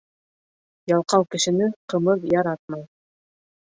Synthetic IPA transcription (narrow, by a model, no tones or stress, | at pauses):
jɑlˠqɑwkɘ̆ʃɘ̆nɘqɤ̆mɤðjɑɾɑt̪̚mɑj